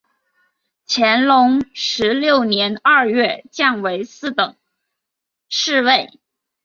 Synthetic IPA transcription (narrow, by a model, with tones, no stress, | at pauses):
t͡ɕʰjɛ˧˥nlʊ˧˥ŋʂɻ̩˧˥ljo˥˩ʊnjɛ˧˥nɐ˞˥˧ɥɛ˥˧t͡ɕja˥˩nwe˧˥ɪsɹ̩˥˩t̪ɤ˨˩˦ŋ | ʂɻ̩˥˧we˥˩ɪ